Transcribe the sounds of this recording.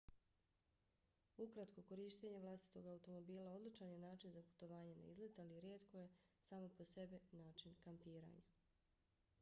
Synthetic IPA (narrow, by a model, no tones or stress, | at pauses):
ukɾat̪ko̞ko̞ɾiːʃt̪e̞ɲeʋlˠast̪i̥t̪o̞ɡaut̪o̞mo̞biːlˠao̞d̪lit͡ʃanjenaːt͡ʃinzapu̥t̪oʋaːɲena̰ḭzlet̪aliɾjeːt̪ko̞je̞saːmo̞po̞se̞binaːt͡ʃinkampiːɾa̰ːɲa